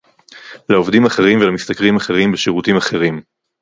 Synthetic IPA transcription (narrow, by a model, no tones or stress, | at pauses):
lao̞vd̪imaχe̞ʁimvelamist̪akʁimaχe̞ʁimbeʃeʁutimaχe̞ʁim